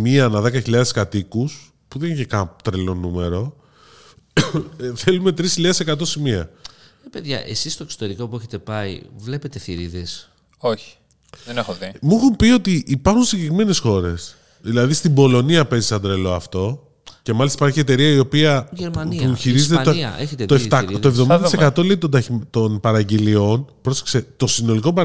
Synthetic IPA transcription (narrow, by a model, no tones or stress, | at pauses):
miɐnɐðe̞kɐçiʎɐðe̞skɐt̪ikus | puðeniçekɐt̪ɾelo̞nume̞ɾo̞ | θe̞lume̞t̪ɾisçiʎɐðesekɐt̪̬o̞simiɐ̰peðʝɐ̰ʔe̞̰sist̪o̞ekso̥t̪e̞ɾiko̞pueçet̪e̞pɐḭvle̞pe̞t̪e̞θiɾiðes | oçi̥ | ðenexoðimuxumpio̞t̪iʔːpɐɾxunsiɲɟekɾime̞ne̞sxo̞ɾe̞̰s | ðilɐðist̪imbo̞lo̞niɐpe̞zisɐnd̪ɾe̞lo̞ɐft̪o̞ | ce̞mɐlist̪ipɐɾçie̞t̪e̞ɾiɐio̞piɐʝeɾmɐnipuçiɾizet̪eɐeçet̪et̪oeft̪ɐt̪oevðoid̪ɐt̪isekɐt̪o̞le̞it̪od̪ɐt̪o̞npɐɾɐɟelio̞npɾo̞se̥kse̞t̪o̞sino̞liko̞bɐ